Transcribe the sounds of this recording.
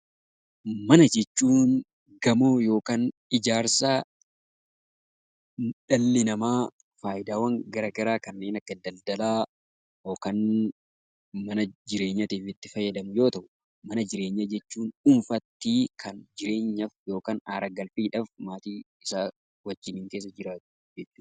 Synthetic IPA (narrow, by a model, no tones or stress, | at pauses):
mɐnɐd͡ʒɛt͡ʃːuːn | ɡɐmoːjo̞ːkaːnɪd͡ʒaːɾsa | ᶑɐlːɪnɐmaː | faːjɪd̪aːwɐŋɡɐɾɐɡɐɾaːkɐnːe̞ːnɐkːɐd̪ɐld̪ɐlaː | jo̞ːkaːn | mɐnɐd͡ʒɪɾe̞ːɲːɐt̪iːfɪt̪ːɪfɐjːɐd̪ɐmʊjo̞ːt̪ɐʔʊ | mɐnɐd͡ʒɪɾe̞ːɲːɐd͡ʒɛt͡ʃːuːnʊnfɐt̪ːiːkʰɐnd͡ʒɪɾe̞ːɲːɐfjo̞ːkaːnaːɾɐɡɐlfiːᶑɐfmaːt̪iː | ɪsa | wɐd͡ʒːɪnɪŋke̞ːs̬ːɐd͡ʒɪɾaːt̪ʊ̥ | d͡ʒɛt̪ːɪ̥